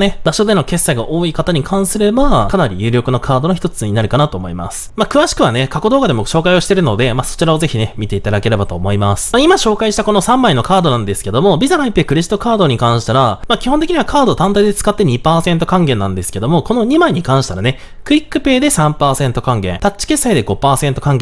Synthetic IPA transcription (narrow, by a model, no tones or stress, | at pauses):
ne̞baɕo̞d̪e̞no̞ke̞sːaiɡaʔo̞ːikat̪aɲ̟ikʰãɰ̃sɨɾe̞bakanaɾʲḭjɯ̟ːɾʲo̞kɯno̞kʰaːd̪o̞noçi̥t̪o̞t͡sɨɲ̟inaɾɯ̟kanat̪o̞ːmo̞ima̰sɨ̥makɯ̟βaɕi̥kɯ̟βanekako̞d̪o̞ːɡad̪e̞moɕo̞ːkaio̞ɕi̥t̪e̞ɾɯ̟no̞d̪e̞maso̥t͡ɕiɾao̞ze̞çine̞mʲit̪e̞it̪ad̪ake̞ɾe̞bat̪o̞ːmo̞imasɨ̥maimaɕo̞ːkaiɕi̥t̪ako̞no̞sãmbaino̞kaːd̪o̞nãnd̪e̞sɨ̥ke̞d̪o̞mo̞bʲizaɾaipːekɯ̟ɾeʑit̪ːo̞kaːd̪o̞ɲ̟ikãɰ̃ɕi̥t̪aɾamakʲihont̪ekiɲiβakʰaːd̪o̞t̪ãnt̪aid̪e̞t͡sɨ̥kat̪ːe̞ɲ̟ipaːsẽ̞nt̪o̞kãŋɡẽ̞nːã̰nd̪e̞sɨ̥ke̞d̪o̞mo̞ko̞no̞ɲ̟imaiɲ̟ikãɰ̃ɕi̥t̪aɾane̞ | kɯ̟ɾʲikːɯ̟pe̞ːd̪e̞sãmpaːsẽ̞nt̪o̞kãŋɡẽ̞̰t̪att͡ɕːi̥ke̞sːaid̪e̞ɡo̞paːsẽ̞nt̪o̞kãŋɡe